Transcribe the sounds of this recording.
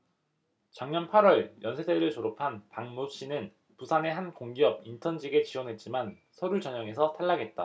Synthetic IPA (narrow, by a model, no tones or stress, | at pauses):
t͡ɕʌŋɲʌnpʰaɾwʌɭjʌnsʰed͡ʑeɾɯɭt͡ɕoɾopʰanpaŋnop̚ɕ͈inɯn | pusʰane̞ɦankoŋɡijʌb̚intʰʌnd͡ʑiɡe̞t͡ɕiwʌnɦe̞t̚t͡ɕ͈iman | sʰʌɾut͡ɕʌɲʌŋe̞sʰʌtʰaɭːaɡe̞t̚t͈a